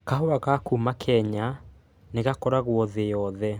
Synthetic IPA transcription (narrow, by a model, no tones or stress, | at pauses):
kaɦoaɣakumakʰɛɲa | neɣakɔɾaɣwɔðejɔðɛ